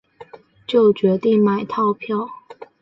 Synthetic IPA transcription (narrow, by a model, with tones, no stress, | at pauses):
t͡ɕjo˥˩ʊt͡ɕɥɛ˧˥t̪i˥˩ŋma˨˩ɪt̪ʰɑ˥˧ʊpʰjɑ˥˨ʊ